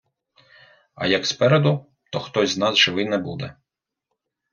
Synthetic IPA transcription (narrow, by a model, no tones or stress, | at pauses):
ɐ̰jɐkspɛɾed̪ʊ | t̪ɔxt̪ɔzʲznɑzʒɪʋɪnɛbud̪ɛ